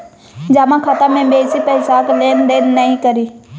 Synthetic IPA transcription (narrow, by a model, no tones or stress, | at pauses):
d͡ʒamãkʰat̪amẽbeːsipəɦɪsaːkleːnd̪eːnːəɦĩkəɾiː